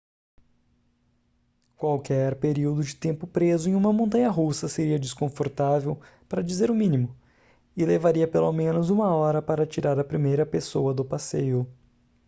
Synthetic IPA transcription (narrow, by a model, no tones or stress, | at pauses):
kwawkɛɾpeɾiwd̪ʊd͡ʒɪt̪ẽmpʊpɾezʊẽj̃ũmɐmõnt̪ɐ̃ɲɐɦusɐseɾiɐd͡ʒɪskõfoɾt̪avew | paɾɐd͡ʒizeɾʊmĩnimʊ | ɪlevaɾiɐpelomẽnʊzũmɐɔɾɐpaɾɐt͡ʃiɾaɾɐpɾimejɾɐpesowɐd̪ʊpasejʊ